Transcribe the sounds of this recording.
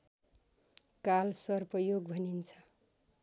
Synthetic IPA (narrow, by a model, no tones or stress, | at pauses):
kalsʌrpʌjoɡbʱʌnint͡sʰʌ̥